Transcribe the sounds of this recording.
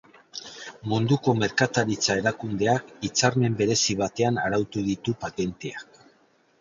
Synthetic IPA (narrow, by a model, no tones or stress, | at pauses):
mund̪uko̞me̞ɾkat̪aɾit͡sae̞ɾakund̪e̞akit͡saɾme̞mbe̞ɾe̞siβ̞at̪e̞anaɾawt̪uðit̪upat̪e̞nt̪eak̚